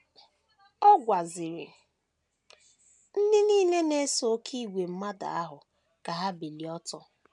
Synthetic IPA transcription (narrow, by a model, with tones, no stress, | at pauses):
ɔ˦ɡʷa˨zɪ˨ɾɪ̰˨ | n̩˦dɪ˦niː˦ne˦ne˦so˦kʰi˦˨ɡʷe˨m̩˦ma˦da̰˨a˦ɦʊ˨ | ka˨ɦa˦bi˨li˨ɔ˦tɔ˦